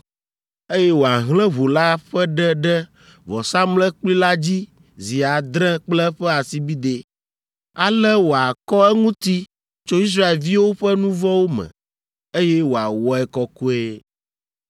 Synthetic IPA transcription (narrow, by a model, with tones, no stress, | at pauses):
e˦jɛ˦wo˨a˨ɦlɛ̃˦βo˨la˦ɸɛ˦ɖɛ˦ɖɛ˦ | vɔ̰˨sa˦mlɛ˦k͡pli˦la˦d͡ʑi˦ | zi˨a˨d̪ɾɛ̃˦k͡plɛ˦ɸɛ˦a˨si˦bi˦d̪e˨ | a˨lɛ˦wo˨a˨kɔ˦ɛ˦ŋũ˦t̪i˦ | t͡ʃo˦i˦s̬ɾa˦e˨lvi˦wo˦ɸɛ˦nũ˦vɔ˦wo˦mɛ̰̃˨ | e˦jɛ˦wo˨a˨wɔ˦ɛ˨kɔ˦ko˦e˦